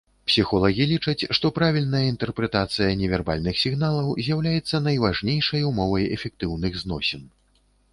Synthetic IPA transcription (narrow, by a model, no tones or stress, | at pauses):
psʲixɔlˠɐɣʲilʲit͡ʂɐt͡sʲʂt̪ɔpɾavʲilʲnɐjɐint̪ɛrpɾɛt̪at̪sɨjɐnʲɛvʲɛrba̰lʲnɨxsʲiɣnalˠɐwzʲjawlʲajɛt̪sːɐnɐjvaʐnʲejʂɐjumɔvɐjɛ̰fʲɛk̚t̪ɨwnɨɣznɔsʲin